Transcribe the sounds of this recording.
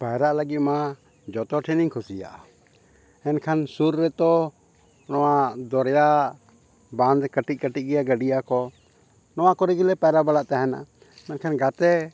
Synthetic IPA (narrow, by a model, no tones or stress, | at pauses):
pajɾaʔləɡit̪̚ma | d͡ʒɔt̪ɔʈʰɛniŋkʰusija̰ʔa | ɛnkʰansuɾːɛt̪ɔ | nɔwad̪ɔɾja | bãnd̪kəʈic̚kəʈic̚ɡɛjaɡəɖijakɔ | nɔwakɔɾɛɡilɛpajɾabalaʔt̪aɦɛna̰ | ɛnkʰanɡat̪ɛ